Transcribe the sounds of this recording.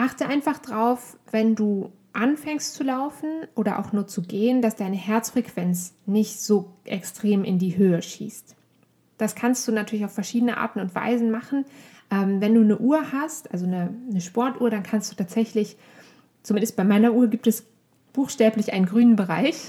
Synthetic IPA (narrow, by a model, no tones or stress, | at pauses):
ʔaχtəʔaɪnfaχd̥ʁaʊfv̥ɛnduː | ʔanfɛŋstt͡sulaʊfn̩ʔoːɾɐʔa̰ʊxnuːɐt͡suɡeːəndasd̥aɪnəhɛɐt͡sfʁ̥ɛkv̥ɛnt͡snɪçtz̥oːʔɛkstʁ̥eːmʔɪ̰ndiːhøːəʃḭːst | d̥askʰanst̚d̥uːnatʰyːɐlɪçaʊfɛɐʃiːdənəʔa̰ːɐtn̩ʊntv̥a̰ɪzn̩maχn̩ | ʔɛːmvɛnduːnəʔuːɐhastʔalzonənəʃpɔɐtʔuːɐɾankʰanstd̥uːtʰaːz̥ɛçlɪç | t͡sumɪndəstb̥aɪmaɪnɐʔuːɐɡiːp̚tɛs | b̥uːxʃtɛːplɪçʔaɪnənɡʁyːnənbəʁa̰ɪç